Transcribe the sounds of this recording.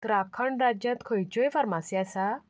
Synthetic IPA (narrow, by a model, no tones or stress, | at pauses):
t̪ɾakʰəɳɖɾad͡ʑjãt̪kʰojt͡ɕojfəɾmasijasa